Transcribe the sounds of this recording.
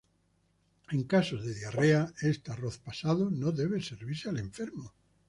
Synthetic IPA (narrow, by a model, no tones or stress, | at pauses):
ẽŋkasozðeðjareaest̪aroθpasaðonoðeβ̞eseɾβiɾsealeɱfeɾmo